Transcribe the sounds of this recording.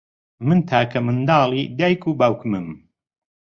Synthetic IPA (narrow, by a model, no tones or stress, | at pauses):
mɨnt̪ʰaːkʰɐmɨnd̪ɑːlˠid̪aːjkʰubaːwkmɨm